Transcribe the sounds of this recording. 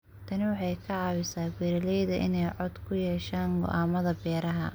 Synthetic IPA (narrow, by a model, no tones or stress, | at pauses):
t̪ʰɐnɪwɑħɑjkʰɐʕɑːwɪsaːbɛːɾɐlɛjðɐʔɪ̰nɛjʕɔd̪kʰʊjɛːʃaːŋɡɔ̰ʔaːmɐðɐbɛːɾɐɦɐ